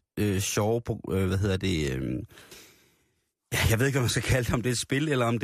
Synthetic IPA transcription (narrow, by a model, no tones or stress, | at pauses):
øɕɒʊpʰɒ̽øʋæɦe̝ð̰ˠɐd̥e̝øm | jæjɑaɪe̝ðˠeɡʋɒ̽mænsɡ̥ækʰæləd̥eɒ̽md̥e̝ed̥sb̥e̝lelɐɒ̽md̥